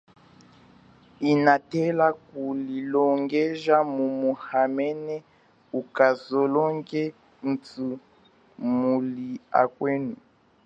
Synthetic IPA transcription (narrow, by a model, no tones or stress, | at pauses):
inatɛlakulilɔŋɡɛʒamumuhamɛnɛ | ukazɔlɔŋɡɛ | n̩tu | mulia̰kwenu